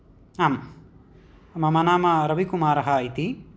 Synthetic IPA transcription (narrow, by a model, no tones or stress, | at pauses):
aːm | ɐmɐmɐnaːmɐɾɐbikumaːɾɐɦɐit̪i